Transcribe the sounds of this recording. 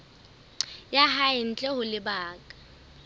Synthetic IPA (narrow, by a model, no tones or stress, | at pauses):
jaɦaɪn̩t͡ɬʼɛhʊlɪbaːkʼḁ